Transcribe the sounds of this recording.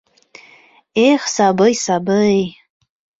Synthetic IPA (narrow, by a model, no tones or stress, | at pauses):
ejχsabɨjsabɨej